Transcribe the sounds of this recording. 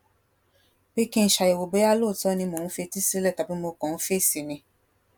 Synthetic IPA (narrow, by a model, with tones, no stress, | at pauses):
be˦kĩ˦n̩˨˦ʃa˨jɛ˨wo˨bo˨˦a˦lo˦˨tɔ˦nĩ˧mõ˨ñ̩˦fe˧ti˦si˦lɛ˦˨ta˨bi˦mo˧kɔ̃˨ñ̩˦fe˦˨si˨nĩ˧˦